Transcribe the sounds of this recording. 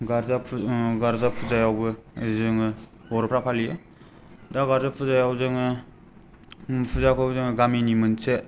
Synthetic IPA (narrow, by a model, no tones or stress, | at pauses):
ɡaɾzaɡaɾzapʰuzajawbɯzɯŋɯbɔɾpʰɾapʰalije | daɡaɾzapʰuzajawzɯŋɯ | pʰuzakʰawbzɯŋɯɡaminimɯnse